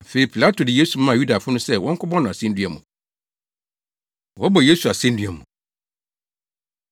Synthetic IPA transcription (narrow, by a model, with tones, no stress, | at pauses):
fe˨i˨pʰi˨la˦tʰo˨dɪ˨je˦su˨mã˦˨ju˦da˨fʊ˦nʊ̃˦sɛ˦wɔ̃˦ŋ̩˦kʰʊ˦bɔ̃˦nʊ̃˨a˨sɛ̃˦n̩˦dɥæ˨mũ˨ | wɔ˦bɔ˨je˦su˨a˨sɛ̃˦n̩˦dɥæ˨mṵ̃˨